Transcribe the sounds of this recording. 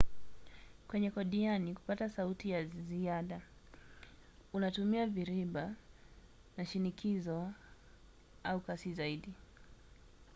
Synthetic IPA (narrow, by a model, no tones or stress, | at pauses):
kwɛɲɛkɔɗianiku̥patasautijaziaɗa | unatumiaviɾiɓa | naʃinikʰizɔ | aukasizaiɗi